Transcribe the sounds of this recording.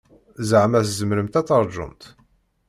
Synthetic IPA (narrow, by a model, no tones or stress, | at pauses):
zəʕmæθzəmɾəmt̪æt͡sːɑɾˤd͡ʒʊ̰mt̪